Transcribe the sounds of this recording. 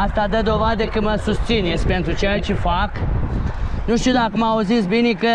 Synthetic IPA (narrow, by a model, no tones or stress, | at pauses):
ast̪ad̪əd̪o̞vad̪əkəməsust̪sinet̪sʲpe̞nt̪ɾut͡ʃejat͡ʃefak | nuʃt̪iud̪akəmauzits̬bine̞kə